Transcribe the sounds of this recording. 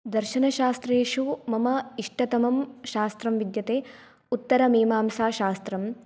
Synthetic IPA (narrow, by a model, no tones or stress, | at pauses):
d̪ɐɾʃɐnɐʃaːst̪ɾeːʂumɐmɐiʂʈɐt̪ɐmɐmʃaːst̪ɾɐmʋid̪jɐt̪eː | ut̪ːɐɾɐmeːmaːmsaːʃaːst̪ɾɐm